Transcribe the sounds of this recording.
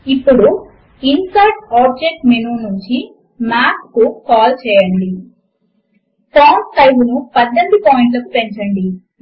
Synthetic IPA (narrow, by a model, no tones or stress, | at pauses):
ipːuɽu | insaːʈaːb̚d͡ʒek̚ʈmenuːnuɲt͡ʃi | maːpkukaːlt͡ʃɛːjɐɳɖi | paːnsɐjbunupɐd̪ːɐnɖupaːjiɳʈlɐkupe̞ɲt͡ʃɐɳɖi